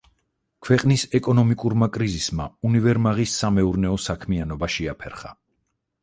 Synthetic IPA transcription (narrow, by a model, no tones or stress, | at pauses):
kʰwɛqʼnisɛkʼɔnɔmikʼuɾmakʼɾizisma̰univɛɾmaʁisːamɛuɾnɛɔsakʰmianɔbaʃiapʰɛɾχa̰